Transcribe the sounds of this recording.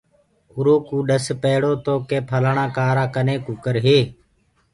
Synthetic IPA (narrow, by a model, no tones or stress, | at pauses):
ʊɾoːkuːɗəspeːɽoːt̪oːkeːpʰəlaɳãːkaːɾãːkəneːkuːkəɾɦeː